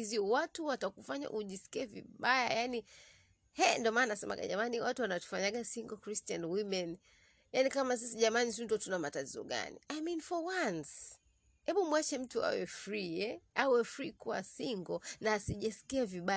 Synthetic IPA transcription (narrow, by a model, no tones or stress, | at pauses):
iziwatuwatakufaɲa̰ʔuʄisi̥kiɛvḭɓaja̰jani | hɛndiɔmaːnnasɛma̰ɡa̰ʄa̰maniwatuwanatu̥faɲaɠasiŋɡɔkɾistianwimɛn | janikamas̬isiʄamanit̬untɔtunamatatizɔ̰ɡa̰nḭajminfɔwans | hɛɓumwat͡ʃɛm̩tua̰wɛfɾiɛawɛfɾikuwa̰siŋɡɔnaːsiʄasi̥kiaviɓa